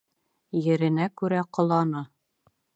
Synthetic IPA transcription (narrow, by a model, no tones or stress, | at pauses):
jɘ̆ɾɘ̆nækʉɾæqŏlˠɑnɤ